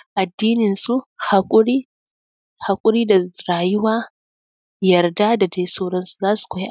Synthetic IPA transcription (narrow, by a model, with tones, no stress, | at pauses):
ʔa˨dːiː˦nɪ˨nsu˦ha˨kʼʊ˦ɽiː˦ | ha˨kʷʼʊ˦ɽiː˦da˨ɾaː˨jʊ˦waː˦ | jɐ˨rda˦da˨de˦soː˦ɽɐ˦nsu̥˨zaː˦su̥˨kʷɔ˨˦j